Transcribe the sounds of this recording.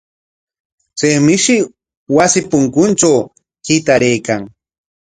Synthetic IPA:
t͡sejmɪʃɪ | wasɪpʊŋkʊnt͡ʃaw | kɪt̪aɾejkaŋ

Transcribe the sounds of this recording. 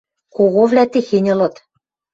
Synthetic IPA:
koɣovlʲæt̪exenʲɤ̆lɤ̆t̪

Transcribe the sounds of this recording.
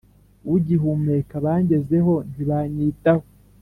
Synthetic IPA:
wuɟiɦume̞kaβaːɲɟe̞ze̞ɦo̞niβaɲiːtaho

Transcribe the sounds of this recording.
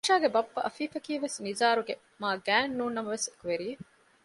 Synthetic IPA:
ʃaːɡebɐpːɐʔɐfiːfɐkiːʋesnizaːɾuɡe | maːɡæːnːuːnːɐmɐʋesekuʋeɾije

